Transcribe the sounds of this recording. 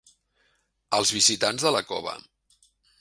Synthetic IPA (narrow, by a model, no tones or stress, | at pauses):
əlˠzβizit̪anzðələkɔ̰βə̰